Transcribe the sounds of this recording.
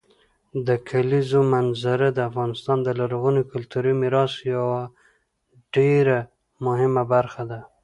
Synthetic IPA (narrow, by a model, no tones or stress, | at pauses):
d̪əkʰalizomanzaɾad̪əafɣɑnɪst̪ɑnd̪əlaɾɣunikʊlt̪uɾimɪɾɑsjawa | ɖeɾa | mʊhɪmabaɾxad̪a